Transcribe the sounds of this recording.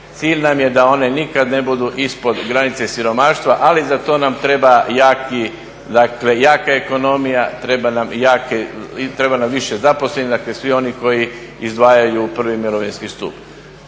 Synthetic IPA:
t̪siːʎnamje̞d̪ao̞ne̞nikad̪ne̞bud̪uʔispo̞d̪ɡɾanit̪se̞siɾo̞maːʃt̪ʋaʔalizat̪o̞ːnamt̪ɾe̞bajaːki | d̪akle̞jaːkae̞ko̞no̞mijat̪ɾe̞banamjaːket̪ɾe̞banamʋiʃezapo̞slenid̪akle̞sʋio̞niko̞jiizd̪ʋaːjajupr̩ʋimiɾoʋinskist̪ṵp

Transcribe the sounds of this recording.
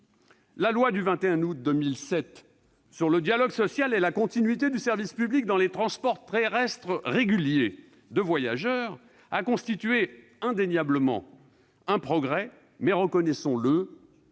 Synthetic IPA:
lalwad̪yvɛ̃t̪eɛ̃ut̪̚d̪əmilsɛt̪ | syʁləd̪jalɔɡsɔsjalɛlakɔ̃t̪inɥit̪̬ed̪ysɛʁvispyblik̚d̪ɑ̃let̪χɑ̃spɔʁt̪eʁɛst̪χəʁeɡʲylje | d̪əvwaja̰ʒœʁ | akɔ̃st̪it̪ɥe | ɛ̃d̪enjabləmɑ̰̃ | ɛ̃pχɔɡʁɛ | mɛʁəkɔnɛsɔ̃lə

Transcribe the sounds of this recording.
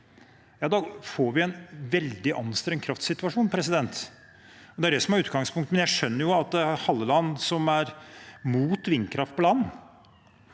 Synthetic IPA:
jɑːd̪ɑfoːɾʋɪɛnʋɛld̪ɪʔɑnːst̪ɾɛŋkʰɾɑft̪sɪt̪ʉʋɑʂuːnpʰɾɛsɪd̪ɛnt̪ | ɔd̪ɛæɖɛsɔmhæɾʉːt̪ɡɑŋspʰʊŋkt̪mɛnjæɪʂœnːəɾjʊɑt̪̚d̪ɛæhɑlːəlɑnːsɔmæɾmuːt̪ʋɪnːkʰɾɑft̪̚pʰɔlɑnː

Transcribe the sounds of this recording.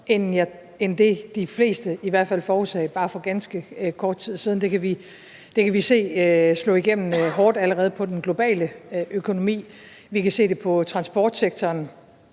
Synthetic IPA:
enjæ | end̥e̝d̥ifle̝̰ːsd̥əiʋæɐ̰d̥fæl̰fɒːusɛ̰ɪb̥ɑ̈ːfɒ̽ɡ̥ænsɡ̥əkʰɒːd̥̚t͡sʰið̰ˠsiːð̞ˠn̩d̥e̝kʰæʋi | d̥e̝kʰæʋise̝̰ːslɔ̰̽iɡ̥em̰n̩ɦɒːd̥æləʁɛːð̞̩ˠpʰɒ̽d̥enɡ̥lo̝b̥ɛ̰ːləʔøkʰo̝no̝mḭː | ʋikʰæse̝̰ːd̥e̝pʰɒ̽t͡sʰʁɑ̈nsb̥ɒ̰ːd̥seɡ̥̚t͡sʰɒːn

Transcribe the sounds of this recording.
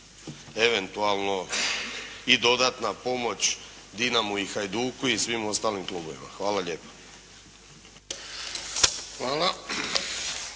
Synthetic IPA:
e̞ʋe̞nt̪ualˠno̞ | id̪o̞d̪at̪napo̞mo̞t͡ɕ | d̪inamuixajd̪uːkuisʋimo̞st̪aːlimklˠuːbo̞ʋḭma̰xʋaːlaʎe̞ːpḁ | xʋaːla

